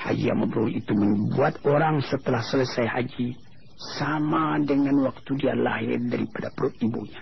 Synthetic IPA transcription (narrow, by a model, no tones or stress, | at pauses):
ha̰d͡ʒḭja̰ŋməbəɾuɾiit̪uməmbuat̪̚oɾaŋsət̪əlahsələsajhad͡ʒi | samadəŋanwak̚t̪udiala̰ɦɪ̰rdaɾipadapəɾoibo̰ɲa